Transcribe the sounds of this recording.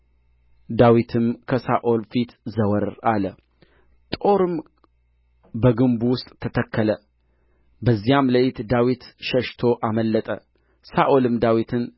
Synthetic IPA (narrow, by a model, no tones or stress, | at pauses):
d̪awit̪ʰɨmkʰəsa̰ʔolfit̪zəwəɾalə | t̪ʼo̞ɾɨm | bəɡɨmbuwʊst̪ʼʰːət̪ʰəkʰːələ | bəzːijamləfit̪d̪awit̪ʃəʃt̪ʰo̞ʔaməlːət̪ʼə̰ | saʔolɨmd̪awit̪ʰɨn